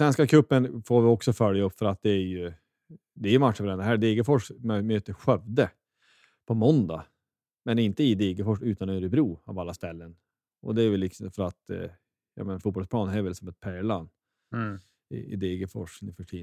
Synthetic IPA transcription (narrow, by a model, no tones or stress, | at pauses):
svɛnskakʰɵpːənfoːɾvɪɔksɔfœlːjaɵpːfœɾat̪̚d̪ɛːɾjɵ | d̪ɛæɾjɵmat̪ʂfɾɛnd̪əɦæːɖ̪eːɡəfɔʂmmøːt̪əɾɧœvd̪ə | pʰɔmɔnd̪a̰ | mɛnɪnt̪əɪd̪eːɡəfɔʂʉ̟ːt̪anøɾɪbɾuːa̰valːast̪ɛlːən | ʔɔ̰d̪ɛæɾvɛlːɪksɔmfœɾat̪ | jɑ̰menafuːt̪̚bɔlspʰlɑːnɦæɾvɛlsɔmɛt̪̚pʰæːɭan | ɪ̰ɪ̰d̪eːɡəfɔ̰ʂnɪfœʈʰiː